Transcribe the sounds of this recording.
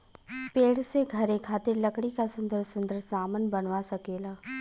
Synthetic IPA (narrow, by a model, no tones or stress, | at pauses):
peːɽseɡʱɐɾekʰaːt̪ɪɾlɐkɽikasʊ̃nd̪əɾsʊ̃nd̪əɾsaːmənbənʋasɐkeːlaː